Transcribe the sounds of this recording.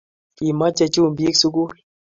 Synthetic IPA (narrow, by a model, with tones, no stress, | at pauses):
i˨ma˦t͡ʃe˦˧t͡ʃu˦˨m˨bi˦ksu˦k̬u˦